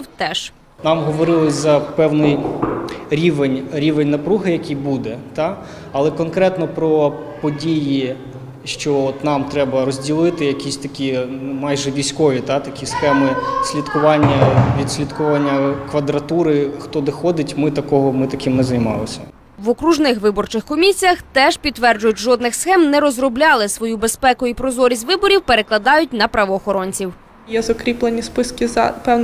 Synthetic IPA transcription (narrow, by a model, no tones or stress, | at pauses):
t̪ɛʃ | nɑmɦɔʋɔɾɪlˠɪzɐpɛwnɪj | ɾʲiʋenʲɾʲiʋenʲnɐpɾuɦɪjɐkʲijbud̪ɛt̪ɑ | ɐlˠɛkɔnkɾɛt̪nɔpɾɔ | pɔdʲiji | ʃt͡ʃɔɔt̪nɑmt̪ɾɛbɐɾɔzʲdʲilˠɪt̪ɪjɐkʲisʲt̪ɐkʲimɑjʒɛʋʲijsʲkɔʋʲit̪ɑt̪ɐkʲisxɛmɪsʲlʲit̪kʊʋɑnʲːɐʋʲid̪sʲlʲit̪kʊʋanʲːɐkʋɐd̪ɾɐt̪uɾɪxt̪ɔd̪ɔxɔd̪ɪtʲmɪt̪ɐkɔɦɔmɪt̪ɐkʲɪmnɛzɐjmɑ̰lˠɪsʲɐ | ʋɔkɾuʒnɪxʋɪbɔrt͡ʃɪxkɔmʲisʲijɐxt̪ɛʒpʲit̪t̪ːʋɛrd͡ʒʊjʊt̚ʲʒɔd̪nɪxsxɛmnɛɾɔzrɔblʲɑlˠɪsʋɔjubespɛkʊipɾɔzɔɾʲisʲtʲʋɪbɔɾʲiwpeɾeklˠɐd̪ɑjʊt̚ʲnɐpɾɐʋɔːxɔɾɔnʲt͡sʲiw | jɛzɐkɾʲiplˠenʲispɪskʲɪzɐ̰pɛwn